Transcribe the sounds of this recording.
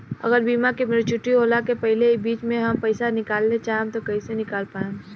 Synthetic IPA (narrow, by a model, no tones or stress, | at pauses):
ɐ̰ɡəɾbiːmakimeɾit͡ʃʊʈːiɦoːlakepɛɦɪlek̚biːt͡ʃmẽɦɐmpɛɪsanɪkaːlːet͡ʃaːɦẽmt̪okɐisenɪkaːlpaːẽm